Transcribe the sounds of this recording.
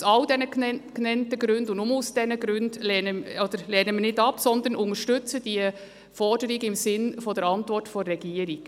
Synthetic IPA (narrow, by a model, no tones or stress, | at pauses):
sɑldɛnəknɛntəɡɾʉndʊndʊmʊsd̥ɛnəɡɾʉndlɛːnəɔd̥əɾlɛːnəminɪdɑpsɔnd̪ənʊŋəʃtʏt͡səd̥iə | fɔɾd̥əɾiɡəɪmsɪnfɔdɛɾɑntʋɔrtfɔːɛɡ̥iːəɾiɡ̥